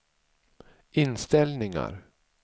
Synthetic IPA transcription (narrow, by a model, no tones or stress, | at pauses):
ʔɪnst̪ɛlnɪŋa̰ɾ